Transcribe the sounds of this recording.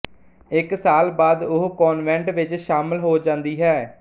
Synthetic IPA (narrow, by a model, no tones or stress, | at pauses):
ɪksaːlbaːd̪ʊɦkɔːnʋɛ̃ɳʈʋɪt͡ʃʃaːməlɦoːd͡ʒãːnd̪iːɦɛː